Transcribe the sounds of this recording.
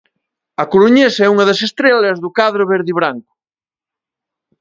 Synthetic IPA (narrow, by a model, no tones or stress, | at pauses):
ɐkoɾuɲesɛuŋɐðɐsest̪ɾelɐzðʊkaðɾoβeɾðiβɾaŋkʊ̥